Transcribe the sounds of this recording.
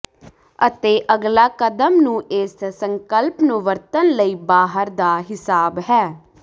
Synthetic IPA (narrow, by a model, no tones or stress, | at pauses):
ət̪eːʔəɡlaːkəd̪əmnũːʔɪsːəŋkəlpnũːʋəɾt̪ənləiːbaːɦəɾd̪aːɦɪsaːbɦɛː